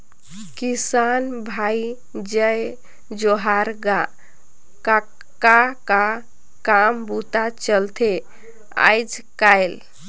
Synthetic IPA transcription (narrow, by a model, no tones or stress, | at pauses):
kisanbʱai | d͡ʒəj | d͡ʒoɦaɾɡa | ka | kaka | kambut̪at͡ʃəlt̪ʰe | a̰jd͡ʒkajl